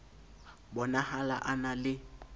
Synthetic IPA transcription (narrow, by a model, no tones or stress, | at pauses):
bɔnahalaʔanalɪ